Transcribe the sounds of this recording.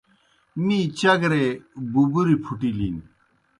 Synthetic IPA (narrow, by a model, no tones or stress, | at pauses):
mit͡ɕɐɡɾebubuɾipʰuʈiliːn